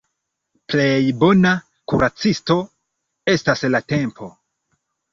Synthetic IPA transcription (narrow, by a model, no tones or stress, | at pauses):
ple̞jbo̞na | kṵɾat͡sisto̞ | e̞staslate̞mpʰo̞